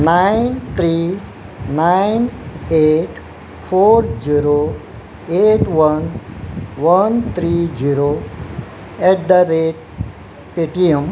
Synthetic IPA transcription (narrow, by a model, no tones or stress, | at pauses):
naɪnt̪ʰɾi | naɪneːʈ | pʰoːɾd͡ʒiɾo | eːʈʋən | ʋənt̪ʰɾid͡ʒiɾo | ɛʈ̚d̪əɾeʈ̚ | piʈiəm